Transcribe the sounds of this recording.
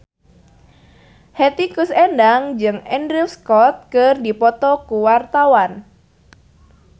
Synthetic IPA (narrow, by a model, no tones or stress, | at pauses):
hɛt̪ikusɛndaŋd͡ʒɨŋɛndɾilskɔt̪̚kɨrdipɔt̪ɔkuwart̪awan